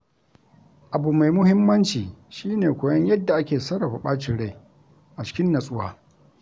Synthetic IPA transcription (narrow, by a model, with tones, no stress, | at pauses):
ʔa˨bu˨ma˨jmʊ˦hɪ˦mːɐ˦nt͡ʃiː˨ʃiː˦neː˨kʷoː˨jɐ˦ɲjɐ˦dːa˨ʔa˦kʲeː˨sɐ˦ɽa˨ɸa˨ɓaː˦t͡ʃɪ˨ɽa˦˨ | ʔa˨t͡ʃɪ̥˦kʲɪ˦nːɐ˨sʼʊ˦wa̰ː˦